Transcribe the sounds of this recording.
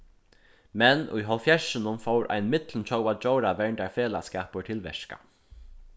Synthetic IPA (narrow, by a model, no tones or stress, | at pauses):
mɛnṵjɦɔlfjɛʂɪnʊmfowɾʔa̰jnmɪt̪lənt͡ɕʰowat͡ʃowɾaʋɛɹɳd̪aɹfeːlaskaːpəʈ̪ʰɪlʋɛ̰ʃka̰